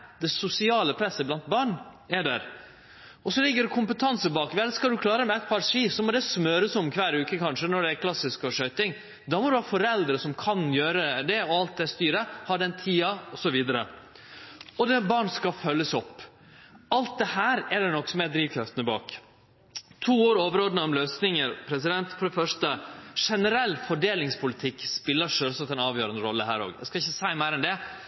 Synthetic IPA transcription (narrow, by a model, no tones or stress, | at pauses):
d̪̥ɛsʊsɪɑːləpʰɾɛsːəblɑnt̪̚bɑːɳæɖæɾ | ɔsɔlɪɡːəɖɛkʰʊmpət̪ʰɑnsəbɑːkʋɛlːəskɑld̪ʉkʰlɑːɾəmɛɛt̪̚pʰɑɾʂiːsɔmɔd̪ɛsmœːɾəsɔmkʰʋæːɾʉːkəkʰɑnʂənɔɖɛækʰlɑsɪskɔːʂœʏt̪ɪŋ | d̪ɑmɔd̪ʉhɑːfɔɾɛld̪ɾəsɔmkʰɑnjøːɾəd̪ɛɔɑlt̪̚d̪ɛst̪yːɾəhɑɖɛnt̪ʰiːɑɔsɔʋiːd̪əɾə̰ | ɔd̪ɛbɑːɳskɑfœlːəsɔpː | ɑlt̪̚d̪ɛhæːɾɛd̪ɛnɔksɔmɛd̪ɾiːʋkʰɾɑft̪ənəbɑ̰ːk | t̪ʰuːoːɾoːʋəɾoːd̪ənəɔmløːsnɪŋəɾpʰɾɛs̬ɪd̪ɛnt̪fɔɖɛfœʂt̪əʂɛnəɾɛlːfɔɖeːlɪŋspʰʊlɪt̪ʰɪkːspɪlːəʂøːlsɑkt̪ɛnɑːʋjøːɾənd̪əɾɔlːəɦæːɾo̰ːɡæɪskɑɪçːəsæɪmæɪɾɛnd̪ɛ